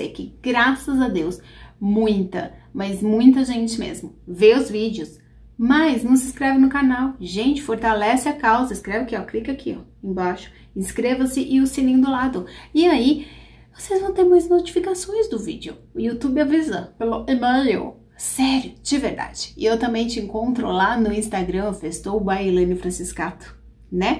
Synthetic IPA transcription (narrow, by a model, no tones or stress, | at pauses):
sḛkɪ̰̃ɡɾasɐzɐd̪ews | mũj̃t̪ɐmɐzmũj̃t̪ɐʒẽnt͡ʃɪmḛzmʊveʊzvid͡ʒɪʊs | majznɐ̃w̃sɪ̃skɾɛvɪnʊkanawʒẽnt͡ʃɪ̥foɾt̪alɛsɪakawzɐiskɾɛvɪkɪɛwklikakʰiɔ̰ẽbaʃʊ̥ | ĩskɾevɐsɪʔɪʊsilĩd̪ʊlad̪ʊɪai | vosezvɐ̃w̃t̪eɾmãjznot͡ʃi̥fikasõj̃zd̪ʊvḭd͡ʒɪʊ̰ʊiut̪ubɪavizɐpeloemajo̰ | sɛɾjʊd͡ʒɪveɾd̪a̰d͡ʒɪ̥ɪewt̪ɐ̃mbẽj̃t͡ʃɪẽŋkõnt̪ɾʊlanʊĩst̪aɡɾɐ̃fest̪owʊbailẽnʊfɾɐ̃siskat̪ʊ̥ | nɛ